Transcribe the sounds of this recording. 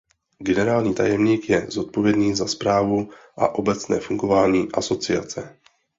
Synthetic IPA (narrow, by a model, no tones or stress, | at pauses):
ɡɛnɛɾaːlɲiːt̪a̰jɛmɲiːkjɛzo̞t̪̚po̞vjɛdniːzaspɾaːvuʔa̰ʔo̞bɛt͡snɛ̰ːfuŋɡo̞vaːɲiːʔaso̞t͡sɪa̰t͡sɛ